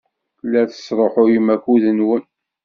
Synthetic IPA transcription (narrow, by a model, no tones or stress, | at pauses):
lːæθə̥sˤɾˤoħʊjimækuðənwən